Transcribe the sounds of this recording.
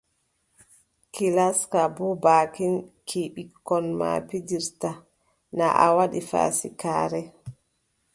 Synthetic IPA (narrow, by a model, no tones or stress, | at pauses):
kilaskabɔbaːkinkʰiɓikːɔnma̰pidiɾta | naʔawaɗifa̰sikaːɾɛ